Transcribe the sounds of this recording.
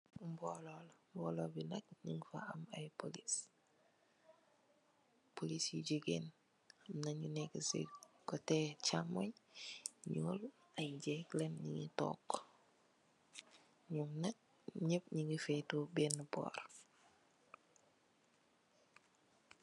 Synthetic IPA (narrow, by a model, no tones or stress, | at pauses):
mbololmboːlobinɐk̚ɲiŋifa̰amajpolis | polisiɟiɡḛn | amnaɲineksḛkotet͡ʃamoɲ | ɲol | ajɟeklenɲḭŋito̰ːkː | ɲumnɐt̚ | ɲep̚ɲiŋifejtobenːbo̰ːɾ